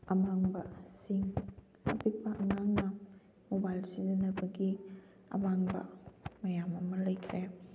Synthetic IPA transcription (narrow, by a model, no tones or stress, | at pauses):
ɐmaŋbɐsiŋ | ɐ̰pipɐʔɐŋaŋnɐ | mobajlsidɐnɐbɐɡi | ɐ̰maŋbɐ̰mɐjamɐmɐlɐjkʰɾe